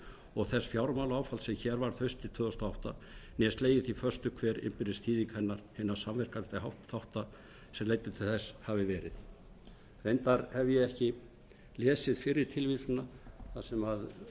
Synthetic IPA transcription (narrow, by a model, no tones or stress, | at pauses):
ɔɣθɛsfjawɾmawlaːwfalsɛmçɛːɾvaɾ̥θœɥst̪ɪt̪ʰvœːðɔst̪aawht̪anjɛst̪leːjðɪθifœr̥st̪ʏkʰvɛːɾɪ̰mpɪɾðɪst̪ʰiːðiŋkhɛnːaɾ̥hɪnḁsamvɛr̥kant̪ahawht̪θawht̪a | sɛmleːjt̪ɪt̪ʰɪlθɛshavɪvɛːɾɪð | rejnt̪aɾhɛvjɛɛhcɪ | lɛːsɪðfɪɾɪɾ̥t̪ʰɪlviːsʏnaθasɛmað